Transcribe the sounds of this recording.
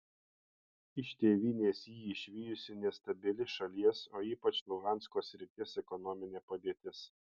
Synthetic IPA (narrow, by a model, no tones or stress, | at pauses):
ɪʃʲt̪ʲeːʋʲiːnʲeːsjiːɪʃʲʋʲiːjʊsʲɪnʲɛst̪ɐbʲɪlʲɪʃɐlʲiɛsoːiːpɐt͡ʃlˠʊɡɑˑntskoːsʲɾʲɪt̪ʲɪsɛkɔnɔmʲɪnʲeːpɐd̪ʲeːt̪ʲɪs